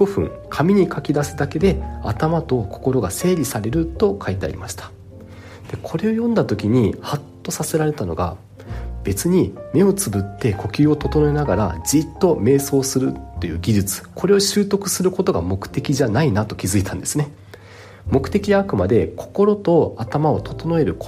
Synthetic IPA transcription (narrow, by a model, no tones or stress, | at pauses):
ɡo̞ɸɯ̟̰̃ŋkʰamʲiɲ̟ikʰakʲid̪asɨd̪ake̞d̪e̞at̪amat̪o̞kʰo̞̥ko̞ɾo̞ɡase̞ːɾʲisaɾe̞ɾɯ̟t̪o̞kʰait̪e̞a̰ɾʲḭmaɕi̥t̪ḁ | d̪̥e̞kʰo̞ɾe̞o̞jõ̞nd̪at̪o̞kʲiɲ̟ihat̪ːo̞sase̞ɾaɾe̞t̪ano̞̰ɡa̰ | b̥e̞t͡sɨɲ̟ime̞o̞t͡sɨbɯ̟t̪ːe̞ko̞kʲɨːo̞t̪o̞t̪o̞no̞enaɡaɾa̰d͡ʑit̪ːo̞me̞ːso̞ːsɨɾɯ̟tt̪ːo̞jɯ̟ːɡʲiʑɨt͡sɨ̥kʰo̞ɾe̞oɕɨːt̪o̞kɯ̟sɨɾɯ̟ko̞t̪oɡamo̞kɯ̟̥t̪e̞kʲiʑanainat̪o̞kʲizɨit̪ʰãnd̪e̞sɨne̞ | mo̞kɯ̟t̪e̞kʲiɲaːkɯ̟mad̪e̞kʰo̞̥ko̞ɾot̪o̞at̪amao̞t̪o̞t̪o̞no̞e̞ɾɯ̟ko